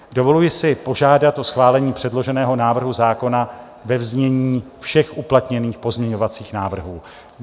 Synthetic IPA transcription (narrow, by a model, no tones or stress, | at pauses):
do̞vo̞lujɪsɪpo̞ʒaːdat̪ʔo̞sxvaːlɛɲiːpr̥ɛdlo̞ʒɛnɛːɦo̞naːvr̩ɦuzaːko̞na | vɛvzɲɛɲiːfʃɛxʔuplat̪ɲɛniːxpo̞zmɲɛɲo̞vat͡siːxnaːvr̩ɦuː